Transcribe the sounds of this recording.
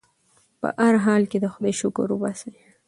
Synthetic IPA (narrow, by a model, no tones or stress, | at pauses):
pə̰ʔaɾɦɑlked̪əxʊd̪eʃʊkʊ̰ɾubase